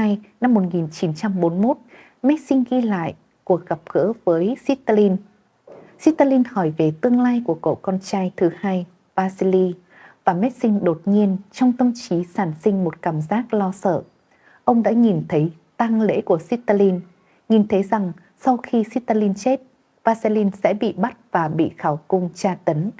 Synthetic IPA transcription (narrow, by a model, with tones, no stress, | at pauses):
aː˧jna˧mːo˨˩t̚ŋi˨˩nt͡ɕi˨˦nt͡ɕa˧mɓo˨˦nmo˦˥t̚ | mɛ˦˥t̚sï˧ŋ̟ɣi˧la̰ː˧˨j | ku˨˩ək̚ɣa˨˩p̚ɣə̰˧˥vəː˨˦jsi˦˥t̚t̪a˧li˧n | si˦˥t̚t̪a˧li˧nhɔ˧˩jve˨˩t̪ɨ˧əŋlaː˧jku˧˩əko̰˧˨kɔ˧nt͡ɕaː˧jt̪ʰɨ˨˦haː˧j | vaː˧zi˧li˧ | vaː˨˩mɛ˦˥t̚sï˧ŋ̟ɗo˨˩t̚ɲi˧ənt͡ɕɔ˧wŋ͡mt̪ʰə˧mt͡ɕi˨˦saː˧˩nsï˧ŋ̟mo˨˩t̚kaː˧˩mzaː˦˥k̚lɔ˧sə̰ː˧˩˨ | ʔə˧wŋ͡mɗa̰ː˧˥ŋi˨˩nt̪ʰə˨˦j | t̪a˧ŋlḛ˧˥ku˧˩əsi˦˥t̚t̪a˧li˧n | ŋi˨˩nt̪ʰə˨˦jza˨˩ŋ | sɔ˧wxi˧si˦˥t̚t̪a˧li˧nt͡ɕe˦˥t̚ | vaː˧si˧li˧nsɛ̰˧˥ɓḭ˧˨ɓa˦˥t̚vaː˨˩ɓḭ˧˨xaː˧˩wkʊ˧ŋ͡mt͡ɕaː˧t̪ə˨˦n